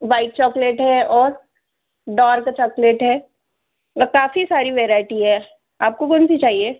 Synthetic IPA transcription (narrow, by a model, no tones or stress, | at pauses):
ʋaːɪʈ̚t͡ʃɔːkleʈɦɛɔːɾ | ɖaːɾkat͡ʃɔːkleːʈɦɛː | kaːfisaːɾiʋɛːɾaːɪʈiɦɛː | aːp̚kokɔnsit͡ʃaːɦieː